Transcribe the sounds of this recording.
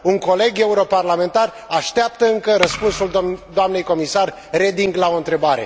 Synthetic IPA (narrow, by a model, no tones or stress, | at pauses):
uŋko̞le̞ɡe̞uɾo̞parlame̞nt̪ar | aʃt̪eap̚t̪əɨŋkəɾəspunsuld̪oamne̞jko̞misar | re̞d̪iŋɡlao̞ɨnt̪ɾe̞baɾe̞̰